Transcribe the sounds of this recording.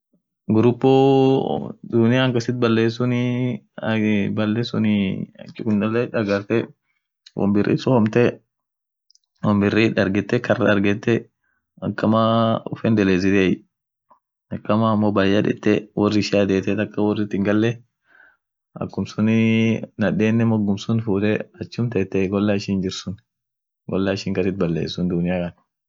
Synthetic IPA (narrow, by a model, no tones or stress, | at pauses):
ɡʊɾʊpːo | d̪ʊnɪjaːŋkɐsɪt̪̚bɐlːeːs̬ʊnɪ | bɐlːɛsʊnɪɐ̰t͡ʃːɪkʊnd̪ɐlɛᶑɐɡɐɾt̪ɛ | wɔ̰mbɪrʔḭːsɔhɔmt̪ɛ | wɔmbɪrːiᶑɐɾɡɛt̪ːɛkɐrːɐɐɾɡɛt̪ːɛ | ɐkːɐmaʊ̰fɛnd̪ɛleːzɪt̪eːj | ɐkːɐmaːmːoːbajɐᶑ̪ɪ̰t̪ːɛwɔrːɪʃad̪eːt̪ɛt̪ɐkːɐwɔrːɪt̪ːɪŋɡɐlːɛ | ɐ̰kːʊmsʊnɪnɐᶑeːnːɛmɔɡːʊmsʊnfuːt̪ɛɐt͡ʃːʊmt̪ɛt̪ːɛɡɔlːaɪʃiːnd͡ʒɪɾsʊn | ɡɔ̰lːaɪʃiːŋkɐsɪt̪̚bɐlːḛːsːʊnd̪ʊnɪjaːkɐn